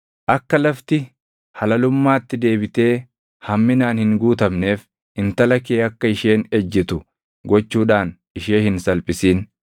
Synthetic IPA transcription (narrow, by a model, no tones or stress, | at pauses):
ʔɐkːɐlɐft̪ɪ | hɐlɐlʊmːaːt̪ːɪd̪e̞ːbɪt̪e̞ː | hɐmːɪnaːnhɪŋɡuːt̪ɐmne̞ːf | ɪnt̪ɐlɐkeːɐkːɐɪʃe̞ːnɛd͡ʒːɪt̪ʊ | ɡɔt͡ʃːuːᶑaːnʔɪʃeːhɪnsɐlpʼɪsiːn